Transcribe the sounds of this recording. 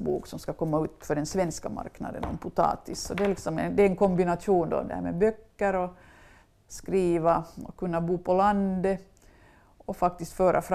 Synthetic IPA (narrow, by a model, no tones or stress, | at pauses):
bṵːksɔmskakʰɔmːaʉ̟ːt̪fœɖɛnsʋɛnskama̰ɾkna̰d̪ə̰nɔ̰npʰʊt̪ʰɑ̰ːt̪ɪsːɔd̪ɛlɪksɔmɛ̰nd̪ɛɛnkʰɔmbɪnat̪ʂuːnd̪ɔ̰d̪ɛ̰hæ̰ːmɛ̰bœkːəɾɔ | skɾiːʋaɔkɵnːabuːpʰɔland̪ə | ɔfak̚t̪ɪst̪føːɾʔafɾ